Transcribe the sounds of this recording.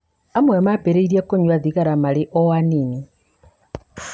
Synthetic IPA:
amwemapeɾeiɾiakoɲwaðiɣaɾamalɪʔɔwanini

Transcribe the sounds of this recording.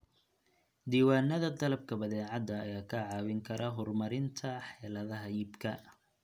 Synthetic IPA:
d̪iːwaːnːɐðɐd̪ɐlɐb̚kʰɐbɐðɛːʕɑd̪ːɐːjaːkʰɐʕɑːwɪŋkʰɐɾʔɐɦʊrmɐɾɪnt̪ʰɐħɛːlɐðɐɦɐjɪbkʰɐ

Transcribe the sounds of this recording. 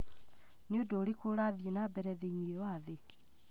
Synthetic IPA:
neodoːɾekoɾaðjenabɛɾɛðeɲiewaðe

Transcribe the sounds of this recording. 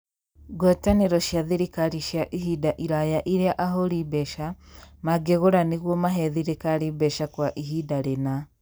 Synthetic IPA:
ɡɔtaneɾɔʃjaðeɾikaɾiʃjaʔihidaʔiɾajaʔiɾeaʔaɦoɾibɛʃamaɡeɣoɾaneɣwɔmaɦɛðiɾekaɾibɛʃakwaʔiɦidaɾena

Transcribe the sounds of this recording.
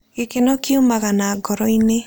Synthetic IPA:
ɡekenɔkiomaɣanaːɡɔɾɔine

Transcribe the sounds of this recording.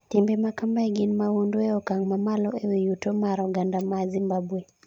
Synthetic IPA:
timbɛmakambaɛɡinmaunduɛɔkaŋmamalɔʔɛwijutɔmaɾɔɡandamazimbabwɛ

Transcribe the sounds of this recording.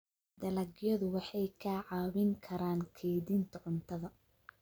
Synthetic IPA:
d̪ɐlɐɡjɐðʊwɑħɑjkʰaːʕɑːβɪŋkʰɐɾaːŋkʰɛjðint̪ʰɐʕʊnt̪ʰɐðɐ

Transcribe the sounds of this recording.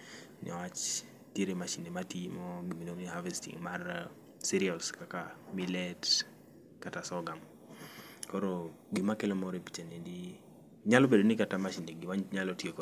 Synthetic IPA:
nɛ̰wat͡ʃ | tjeɾemaʃinematimɔɡiminoniɦavɛstḭŋmar | siɾialskakamilɛt | katasɔɡam | kɔɾo | ɡimakelɔmɔɾepi̥t͡ʃenedi | ɲalɔbedonɪkatamaʃineɡɪwaɲɲalɔtjekɔ

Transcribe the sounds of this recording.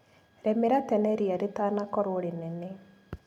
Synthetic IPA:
ɾɛmɪɾat̪ɛnɛɾiaɾɪt̪anakɔɾoɽinɛne

